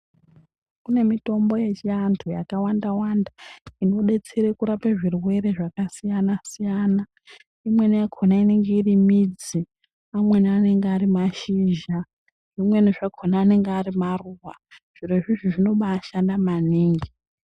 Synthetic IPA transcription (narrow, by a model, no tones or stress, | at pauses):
kune̞mito̞mbo̞je̞t͡ʃiantʰujakawandawandaino̞ɗe̞t͡seɾekuɾapeʐirwe̞ɾe̞ʐakasijanasijaːna | imwe̞nijakʰonaineŋɡeirimid͡zi | amwe̞niane̞ŋɡeaɾimaʃiʒa | ʐ̥imwe̞niʐakʰonaːne̞ŋɡearimaruwa | ʐ̥iɾeʐiʐiʐino̞ɓaːʃandamaniːŋɡi